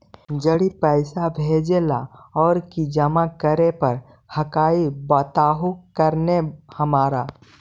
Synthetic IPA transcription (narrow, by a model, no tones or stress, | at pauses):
d͡ʒəɽipɛɪsabʱeːd͡ʒela̰ɔːɾkid͡ʒəmakəɾepəɾ | həkaːibət̪aːɦukəɾnehəmaːɾaː